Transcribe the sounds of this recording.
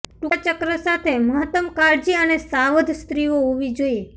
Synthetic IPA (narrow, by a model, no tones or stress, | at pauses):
ʈut͡ʃəkɾəsat̪ʰeməɦət̪əmkaɾd͡ʒiənesaʋəd̪ʱst̪ɾioɦoʋid͡ʒoie